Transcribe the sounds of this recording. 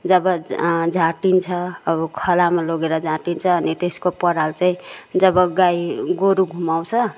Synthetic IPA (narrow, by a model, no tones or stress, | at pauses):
d͡zʌbʌd͡zʱaʈint͡sʰʌːbʌkʰʌlamaloɡeɾʌd͡zʱãʈint͡sʰʌːnit̪eskopʌɽalt͡saĩd͡zʌbʌɡajɡoɾuɡʱumaw̃t͡sʰʌ